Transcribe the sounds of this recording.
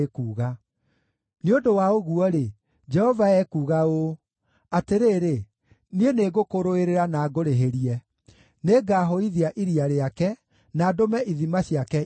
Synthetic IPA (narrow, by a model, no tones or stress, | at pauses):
kuːɣa | neondowaoɣuɔɾe | d͡ʒɛhɔvaɛkuːɣao | ateɾeːɾe | nieneɣokoɾoeɾeɾanaːɡoɾeɦeɾiɛ | neɡaːɦoiðiaʔiɾiaɾeakɛ | naːdomɛʔiðimaɕiakɛ